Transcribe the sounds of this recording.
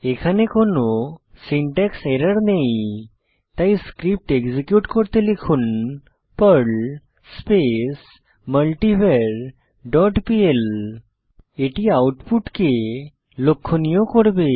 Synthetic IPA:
ekʰanekonosiɳʈekseɾəɽnej | t̪ajskɾip̚ʈeɡzikjuʈkɔɽt̪elikʰun | pəɾl | spes | məlʈibeɾ | ɖɔʈpiel | eʈiawʈpuʈke | lokʰːonijokɔɽbe

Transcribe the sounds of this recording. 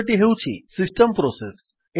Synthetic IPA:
ʈiɦeut͡ɕʰḭsisʈəmpɾɔses | e

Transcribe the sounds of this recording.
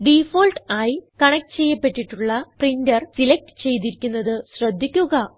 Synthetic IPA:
ɖifoːlʈaːjikɐɳɐk̚ʈɨt͡ɕe̞jːɐpːe̞ʈːiʈːuɭːɐprindɐrsilek̚ʈɨ̥t͡ɕe̞jt̪̬iɾikʲːunːɐðɨɕrɐd̪ʱːikʲːuɣɐ

